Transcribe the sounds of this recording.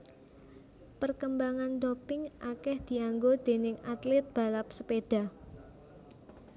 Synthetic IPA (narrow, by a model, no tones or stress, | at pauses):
pərkəmbaŋand̪opɪŋʔakɛhd̪̥i̤aŋɡod̪̥e̤nɪŋat̪lɪt̪̚b̥a̤lap̚sə̥peɖ̥a̤